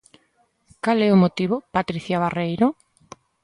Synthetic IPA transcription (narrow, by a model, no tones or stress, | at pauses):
kalɛʊmot̪iβopat̪ɾiθjaβarejɾo